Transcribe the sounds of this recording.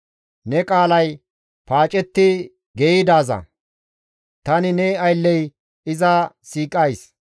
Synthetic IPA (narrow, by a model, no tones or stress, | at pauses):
nɛkʼaːlɐj | paːt͡ʃʼɛt̪ːɪ | ɡɛjɪd̪aːzɐ̰ | t̪ɐnɪnɛːɐjlːɛj | ɪzɐsiːkʼɐjs